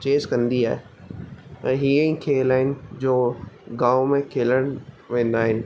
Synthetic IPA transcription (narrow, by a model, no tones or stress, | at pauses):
t͡ɕeːzkɐ̃nd̪iaːɦe | ɛ̰̃ɦiːə̃ĩkʰeːlaːɦɪnɪ̆d͡ʑoːɡaːʊmẽkʰeːləɽ̃ | ʋẽːn̆d̪aːɦɪnɪ̆